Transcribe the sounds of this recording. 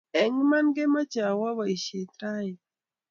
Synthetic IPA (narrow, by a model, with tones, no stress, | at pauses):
ɛ˨ŋma˦nɡe˦ma˦t͡ʃa˨wa˦wa˨i˨ʃe˨t̪ɾa˦j